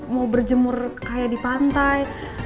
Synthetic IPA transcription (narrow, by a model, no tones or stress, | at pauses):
maubərd͡ʒəmʊrkajadipant̪aj